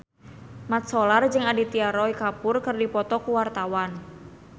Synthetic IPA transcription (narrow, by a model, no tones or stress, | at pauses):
mat̪̚sɔlard͡ʒɨŋadit̪iaɾɔikapʊrkɨrdipɔt̪ɔkuwart̪awan